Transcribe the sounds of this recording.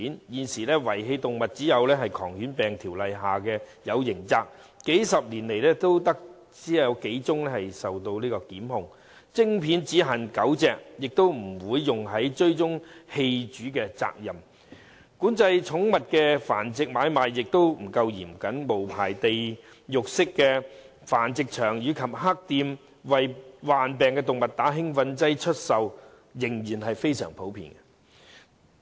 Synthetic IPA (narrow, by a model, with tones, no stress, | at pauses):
iː˨˥njiː˨˧nsiː˨˩lɛː˥wɐ˨˩jɦe˧jt̪ʊ˨ŋmɐ˨t̚t͡siː˨˥jɐ˨˧wlɛː˥ɦɐ˨jkʰɔː˨˩ŋhyː˨˥npɛː˨ŋt̪ʰiː˨˩wlɐ˧jɦaː˨˩kɛː˧jɐ˨˧wjɪ˨˩ŋt͡saː˧k̚ke˨˥jsɐ˨p̚liː˨˩nle˨jlɛː˥t̪o˥wt̪ɐ˥k̚ | t͡siː˨˥jɐ˨˧wke˨˥jt͡sʊ˥ŋlɛː˥hɐ˨˩jsɐ˨wt̪o˧wliː˥kɔː˧kiː˨˥mhʊ˧ŋ | t͡sɪ˥ŋpʰiː˨˥nt͡siː˨˥ɦa˨˩nkɐ˨˥wt͡sɛː˨k̚jɪ˨k̚t̪o˥wm̩˨˩wuː˨˧jːʊ˨ŋɦɐ˨˥jt͡ʃɵ˥ɥt͡sʊ˥ŋhe˧jt͡ʃyː˨˥kɛː˧t͡sa̰ː˧k̚jɐ˨˩m | kuː˨˥nt͡sɐ˧jt͡sʰʊ˨˥ŋmɐ˨t̚kɛː˧fa̰ː˨˩nt͡sɪ˨k̚maː˨˧˥jmaː˨jːɪ˨k̚t̪o˥wm̩˨˩kɐ˧wjiː˨˩mkɐ˨˥nmo˨˩wpʰa̰ː˨˩jt̪e˨j | jʊ˨k̚sɪ˥kːɛː˧ | faː˨˩nt͡sɪ˨k̚t͡ʃʰœː˨˩ŋjyː˨˥kʰɐ˨p̚haː˥k̚t̪iː˧m | wɐ˨jwaː˨np̬ɛː˨ŋkɛː˧t̪ʊ˨ŋmɐ˨˩t̚t̪aː˨˥ɦɪ˥ŋfɐ˨˧nt͡sɐ˥jt͡ʃʰɵ˥t̚sɐ˨w | jɪ˨˩ŋjiː˨˩nɦɐ˨jfe˥jsœ̰ː˨˩ŋpʰo˨˥wpʰḭː˧˥nkɛ̥